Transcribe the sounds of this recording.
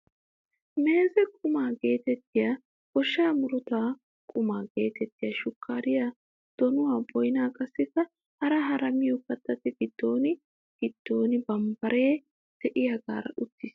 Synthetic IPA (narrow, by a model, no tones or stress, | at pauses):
me̞ːzɛkʼʊmaːɡe̞ːt̪ɛt̪ːɪjaː | kɔʃːaːmʊɾɔt̪aː | kʼʊmaːɡe̞ːt̪ɛt̪ːɪjɐʃʊkʰːaːɾɪja | d̪̥ɔnʊwaːbɔjnaːkʼɐsːɪkːɐ | hɐɾɐɦɐɾɐmɪjɔkɐt̪ːɐt̪ːɪɡɪd̪̥ːoːnɪ | ɡ̥ɪd̪̥ːo̞ːnɪbɐmbɐɾe̞ː | d̪̥ɛʔɪjɐɡa̰ːɾɐ̰ʔʊt̪ːɪs